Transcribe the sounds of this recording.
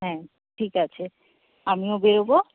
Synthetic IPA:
ɦɛ̃ | ʈʰikat͡ɕʰe | amiobeɾobo

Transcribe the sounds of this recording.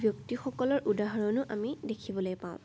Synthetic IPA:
bʱjoktixɔkɔlɔɹʔudaɦɔɹɔnʊʔamidekʰibɔlojpãʊ̃

